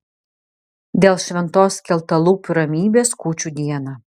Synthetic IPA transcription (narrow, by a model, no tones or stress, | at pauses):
d̪ʲeːlˠʃʲʋʲɛnt̪oːskʲɛlˠt̪ɐlˠuːpʲʊɾɐmʲiːbʲeːskuːt͡ʃʲuːd̪ʲiɛnɑː